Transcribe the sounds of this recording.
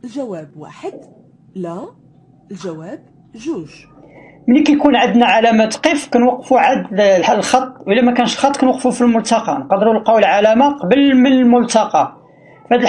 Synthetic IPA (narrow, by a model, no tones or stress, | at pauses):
əlʒæwæbwa̰ħəd̪̚ | læ | əlʒæwæb̚ | ʒuʒ | mənikækunʕəd̪næʕalæmæt̪qifkænwɑqːfuʕad̪lħalxɑt̪ˤːwʔəlːæmækænəʃəlxɑt̪ːˤkænwɑqːfufilmʊlt̪ɑqɑnqɑd̪əɾulqɑwilʕalæmaqɑbəlmənəlmʊlt̪ɑqɑ | fhæd̪əl